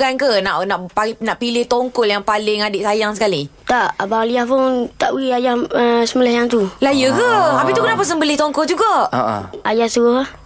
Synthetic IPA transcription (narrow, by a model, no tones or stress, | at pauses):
kankənaʔnaʔpanaʔpilɪht̪oŋkoljaŋpalɪŋadeʔsajaŋsə̥kalit̪aʔabaŋliahpʊŋt̪aʔwiajahəsəmulahjaŋt̪ulajəkəapit̪ukənaʔpəsəmbəlɪht̪oŋkold͡ʒuɡaʔajahsəɣʊɦah